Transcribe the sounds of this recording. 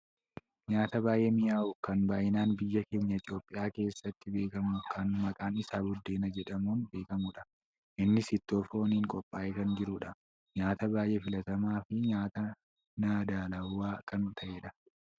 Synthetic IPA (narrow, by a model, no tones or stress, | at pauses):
ɲaːt̪ɐbaːjʔeːmɪʔaːʔʊkɐnbaːjɪnaːnbɪjːɐkeːɲːɐɪt̪ʼjo̞ːpʼːɪjaːke̞ːsːɐt̪ːɪbe̞ːkɐmʊkʰɐnmɐkʼaːnɪsaːbʊd̪ːe̞ːnɐd͡ʒɛᶑɐmuːnbe̞ːkɐmuᶑɐ | ʔɪnːɪsɪt̪ːo̞ːfoːniːŋkʼɔpʼːaːʔekɐnd͡ʒɪɾʊᶑɐ | ɲaːt̪ɐbaːjʔeːfɪlɐt̪ɐmaːfɪɲaːt̪ɐ | naːd̪aːlɐwːaːkɐnt̪ʰɐʔeːᶑɐ